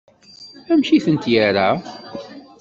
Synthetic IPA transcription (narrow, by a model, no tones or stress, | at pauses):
æmʃiθənt̪jaɾa